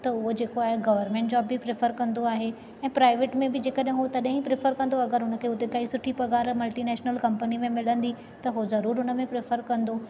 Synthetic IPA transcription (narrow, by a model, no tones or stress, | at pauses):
t̪ɐʊɦod͡ʑeːkoaːɦeɡɐʋəɾmẽːɳʈd͡ʑɔːbːɪpɾɪfəɾkɐ̃nd̪oaːɦe | ɛ̃ːpɾaːɪʋeːʈmẽbɪd͡ʑeːkəɗɦɪ̃ɦʊot̪ɐɗɦɪ̃pɾɪfəɾkɐ̃nd̪oɐɡəɾɦʊnə̆kʰeːʊt̪ekaːisʊʈʰipɐɡaːɾmɐlʈinɛːʃnəlkɐ̃mpənimẽmɪlə̃nd̪i | t̪ɐɦozɐɾuːɾɦʊnə̆mẽpɾɪfəɾkɐ̃nd̪o